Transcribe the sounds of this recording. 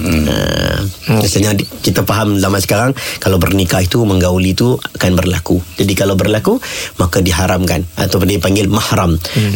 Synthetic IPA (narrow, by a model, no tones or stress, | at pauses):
ə̰ | asaɲakit̪apaɦamzamasə̥kaɾaŋkalawbərnikait̪uməŋɡawlit̪uakanbərlakud͡ʒadikalawbərlakumakadiɦaɾamkana̰t̪awpəndipaŋɡɪlmahɾam